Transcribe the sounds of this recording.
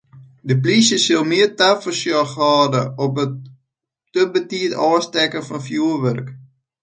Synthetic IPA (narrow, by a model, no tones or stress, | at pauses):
dəp̬lisəsɪlˠmiərtafəsjɔxɑːdəɔpə | tøbətiətɔːstɛkəfɔnfjuərʋørk